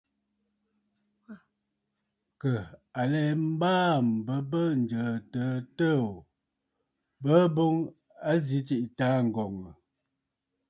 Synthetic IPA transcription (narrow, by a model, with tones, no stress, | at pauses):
kə˨a˨lɛː˨˦m̩˦baː˦m̩˨bə˦bə˦n̩˨d͡ʒə˨tə˨˦tə˦˨ | bə˦bo˦ŋ | a˦zi˦ti˦ʔtaː˨˦ŋ̩˨ɡɔ˨ŋə˨